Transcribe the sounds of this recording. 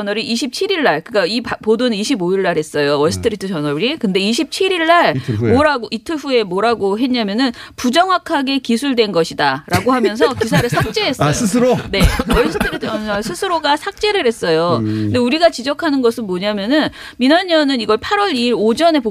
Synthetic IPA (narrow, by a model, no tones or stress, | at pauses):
ʌnʌɾiʔiɕʰip̚t͡ɕʰiɾiɭːaɭkɯk͈aippodonɯniɕʰiboiɭːaɾhe̞s͈ʌjoʌɭs͈ʰɯ̥tʰɯɾitʰɯt͡ɕʌnʌɾikɯnde̞iɕ̬ʰip̚t͡ɕʰiɾiɭːaɭmoɾaɡoʔitʰɯɸue̞moɾaɡoɦe̞ɲamjʌnɯnpud͡ʑʌŋwakʰaɡe̞kisʰuɭdwe̞nɡʌɕʰidaɾaɡohamjʌns̬ʰʌkisʰaɾɯɭsʰak̚t͡ɕ͈e̞ɦes͈ʌjoɯs̬ʰɯɾoneʌɭs͈ʰɯtʰɯɾitʰɯʌsʰɯsʰɯɾoɡasʰak̚t͡ɕ͈e̞ɾɯɾɦe̞s͈ʌjondeuɾiɡat͡ɕid͡ʑʌkʰanɯnɡʌsʰɯnmoɲamjʌnɯn | minʌɲːʌnɯniɡʌɭpʰaɾwʌɾiːɾod͡ʑʌne̞po